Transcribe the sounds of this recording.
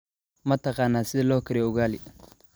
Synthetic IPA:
mɐt̪ɐqɑːnːaːsɪlɔkɪɾɛʊɣaːli

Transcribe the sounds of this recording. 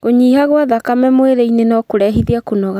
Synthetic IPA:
ɣoɲiːhaɣwaðakamɛmweɾeinenɔkoɾɛɦiðiakonɔɣa

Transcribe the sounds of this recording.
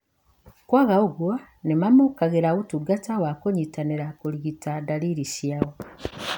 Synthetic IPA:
kwaɣaoɡwa | nemamokaɣeɾaɣutuɡatawakoɲitaniɾakoliɣitadaliɾisjaɣo

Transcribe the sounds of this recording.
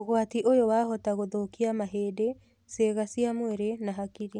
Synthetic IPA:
ɣwatiʔojowaːhɔtaɣoðoːkiamaɦeːde | seːɣasiamweɾenaɦakiɾi

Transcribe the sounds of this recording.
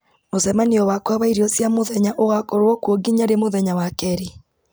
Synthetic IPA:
mosɛmaniɔwakwaβaiɾiɔsjamoðɛɲaʔowakoɾɔkwɔɡiɲaɾemoðɛɲawakɛɾi

